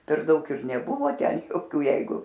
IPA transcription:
pʲɛr ˈdɐʊk ɪr nʲɛˈbʊʋoː ˈtʲɛn joːˈkʲuː ˈjɛɪɡʊ

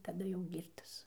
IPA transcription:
tɐˈdɐ jɛʊ ˈɡʲiːrtɐs

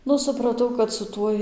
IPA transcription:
ˈnʊ sʊprɐˈtɐʊ kɐt sʊ ˈtuɔj

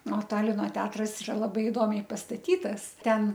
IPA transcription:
oː ˈtɑːlʲɪnoː ˈtʲɛɐtrɐs ɪˈrɐ lˠɐˈbɐɪ ɪˈdoːmʲɛɪ pɐstɐˈtʲiːtɐs ˈtʲɛn

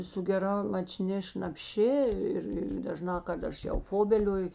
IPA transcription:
sʊ ɡʲɛˈrɐ mɐˈt͡ʃʲnʲɪ ʃnɐpʲˈʃʲɪ ˈɪr ɪr dɐˈʒnɑː kɐt ˈɐʃ jɛʊ ˈfoːbʲɛlʲoːjʊ

